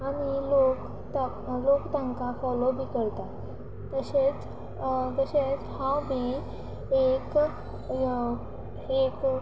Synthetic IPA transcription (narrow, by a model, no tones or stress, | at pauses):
aɽ̃ilok | t̪a | lokt̪əŋkafɔlobʱiːkəɾt̪a | t̪əɕet͡s | t̪əɕet͡shãwbʱiː | ek | ek